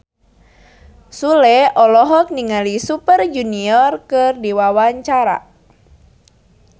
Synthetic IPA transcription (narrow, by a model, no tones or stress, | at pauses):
sulɛɔlɔɦɔk̚niŋalisupərd͡ʒuniɔrkɨrdiwawaɲt͡ʃaɾa̰